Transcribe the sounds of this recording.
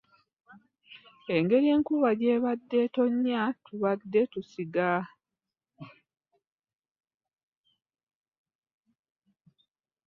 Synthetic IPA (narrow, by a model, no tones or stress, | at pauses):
e̞ŋɡe̞ɾie̞ːŋkuβaɟeːβadːe̞to̞ɲːatuβadːe̞tusiɡa